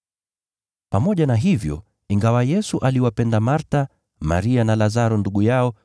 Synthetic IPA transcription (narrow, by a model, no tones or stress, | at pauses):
pamɔʄanaɦivjɔ̰ | iŋɡawajɛsuʔaliwapɛndamaɾta | ma̰ɾianalazaɾɔnduɠujaɔ